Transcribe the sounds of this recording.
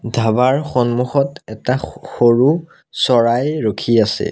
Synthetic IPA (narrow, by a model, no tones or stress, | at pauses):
dʱabaɹxɔnmuxɔtɛtaxoɹu | sɔɹajɹokʰiasɛ̰